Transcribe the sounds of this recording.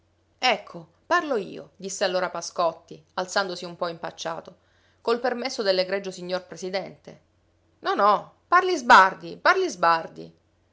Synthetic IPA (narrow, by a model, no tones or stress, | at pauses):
ɛkʰːo | parloḭːo̰d̪isːealːoːɾapaskɔt̪ːialt̪sand̪osiumpɔimpat͡ʃːa̰ːt̪o | kolpermesːod̪elːeɡɾɛd͡ʒosiɲːorpɾesid̪ɛnt̪e | nɔnɔ | parlizbard̪iparlizbard̪ḭ